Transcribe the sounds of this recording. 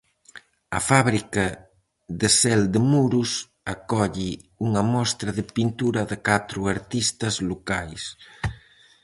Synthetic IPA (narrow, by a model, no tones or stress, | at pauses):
ɐ̰faβɾikɐ | ðesɛld̪emuɾus | akɔʎi | uŋɐmɔst̪ɾɐðepint̪uɾɐðekat̪ɾuaɾt̪ist̪ɐzlukajs